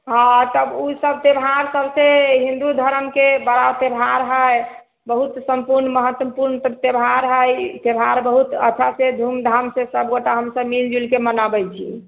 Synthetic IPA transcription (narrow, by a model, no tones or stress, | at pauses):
ɦãt̪əbusəb̚t̪ebʱɦaɾsəbseɦĩnd̪ud̪ʱəɾəmkebəɾat̪ebʱaɾɦəj | bəɦut̪səmpuɾnməɦət̪wəpuɾntət̪ebʱaɾɦəjt̪ebʱaɾbəɦut̪ə̰t͡ʃʰased̪ʱumd̪ʱamsesəbɡoʈaɦəmsəbmild͡ʒulkemənabɛjt͡ʃʰi